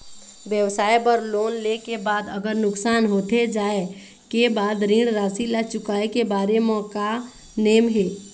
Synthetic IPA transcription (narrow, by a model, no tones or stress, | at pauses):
ʋjəʋsaːebəɾloːnleːkebaːd̪əɡəɾnʊksaːnɦoːt̪ed͡ʒaːe | kebaːd̪ɾĩːɽɾaːsilat͡ʃʊkaːekebaːɾemɔːka | neːmɦeː